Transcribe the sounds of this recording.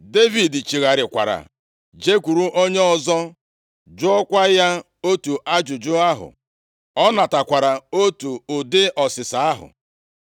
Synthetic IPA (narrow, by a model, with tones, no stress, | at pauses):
de˦vi˨di˨t͡ʃi˨ɣa˨ɾɪ˨kʷa̰˨ɾa̰˨ | d͡ʒe˦kʷu˨ɾu˦ʔo˦ɲe˦ɔ˦zɔ˦ | d͡ʒʊ˦ɔ˦kʷa˦ja˦ | o˦tu˨ʔa˦d͡ʒʊ˨d͡ʒʊ˦a˦ɦʊ̰˨ | ɔ˦na˨ta˨kʷa˨ɾa˨o˦tu˨ʊ˨dɪ˦ɔ˨sɪ˨sa˨a˦ɦʊ̰˨